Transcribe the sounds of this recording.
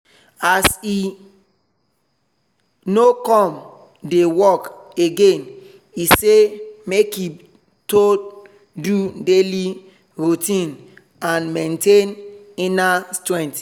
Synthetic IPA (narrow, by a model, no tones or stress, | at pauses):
asi | nokɔ̃m | dewɔkeɡẽn | isemeki | to | dudeli | ɹutĩn | ãnmẽntenĩnastɹɛ̃nt